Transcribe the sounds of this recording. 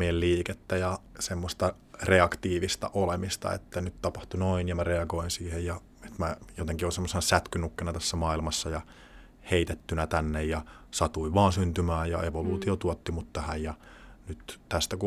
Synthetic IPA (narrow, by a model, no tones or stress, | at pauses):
ielliːket̪ːæjɑsemːost̪ɑ | reɑkt̪iːʋist̪ɑ̰ʔolemist̪ɑ̰ḛt̪ːænyt̪t̪ɑpɑht̪unoinjɑmæreɑɡoinsiːhejjɑ | et̪mæjot̪eŋkionsemːosenɑsæt̪kynukːenɑt̪æsːæmɑːilmɑsːɑjɑ | heit̪et̪ːynæt̪ænːejjɑsɑt̪uiʋɑːnsynt̪ymæːjjɑeʋoluːt̪iot̪uot̪ːimut̪t̪æhæjjɑnyt̪t̪æst̪æku